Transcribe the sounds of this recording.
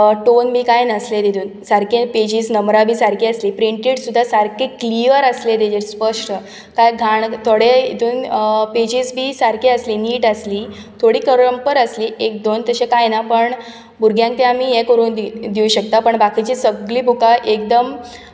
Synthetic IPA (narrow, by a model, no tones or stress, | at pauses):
ʈonbiːkajnəsled̪ed̪uːnsaɾkeped͡ʑiːsnəmɾabʱiːsaɾkeəsliːpɾiɳʈiʈsud̪ʱːasaɾkekliəɾəsled̪ed͡ʑespəʂʈə | kajɡʱaɳt̪ʰoɽeit̪uːnped͡ʑiːsbʱiːsaɾkʰeəsliːniːʈəsliː | t̪ʰoɽiːkəɾɾəmpəɾəsliːʔek̚d̪ont̪əɕẽkajnapəɳ | buɾɡjãŋkt̪ẽamiːjɛkəɾuːnd̪id̪iuɕəkt̪apəɳbakit͡ɕiːsəɡliːbʱukaʔek̚d̪əm